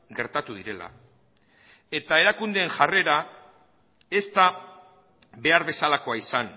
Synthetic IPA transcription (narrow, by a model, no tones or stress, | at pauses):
ɡe̞ɾt̪at̪uðiɾe̞la̰ | e̞t̪ae̞ɾakund̪eːnʝare̞ɾa | e̞st̪a | βe̞aɾβe̞salako̞aisan